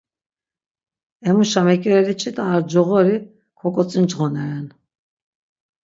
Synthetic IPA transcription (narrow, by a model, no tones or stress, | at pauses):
ɛmuʃamɛkʼɛɾɛɾit͡ʃʼit̪ʼaːɾd͡ʒɔʁɔɾi | kʰɔkʼɔt͡sʼind͡ʒʁɔnɛɾɛn